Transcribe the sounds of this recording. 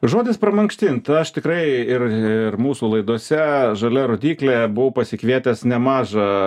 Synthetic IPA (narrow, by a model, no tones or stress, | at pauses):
ʒoːd̪ʲɪspɾɐmɐŋksʲt̪ʲɪnt̪ɐʃt̪ʲɪkɾɐɪɪrɪrmuːsuːlˠɐɪd̪uɔsʲɛʒɐlʲɛɾoːd̪ʲiːklʲebʊʋɐʊpɐsʲɪkʋʲiɛt̪ʲɛsnʲɛmɑːʒɐ